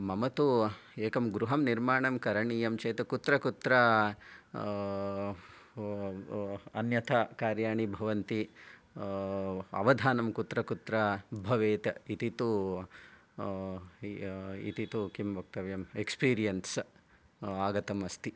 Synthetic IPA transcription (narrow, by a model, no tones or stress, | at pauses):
mɐmɐt̪u | eːkɐmɡɾuɦɐmniɾmaːɳɐmkɐɾɐɳiːjɐmt͡ʃeːt̪ɐkut̪ɾɐkut̪ɾɐ | ɐnjɐt̪ʰɐkaːɾjaːɳibʱɐʋɐnt̪i | ɐ̰ʋɐd̪ʱaːnɐmkut̪ɾɐkut̪ɾɐbʱɐʋeːt̪ɐit̪it̪u | ḭt̪it̪ukimʋɐk̚t̪ɐʋjɐmekspiːɾijɐns | aːɡɐt̪ɐmɐst̪i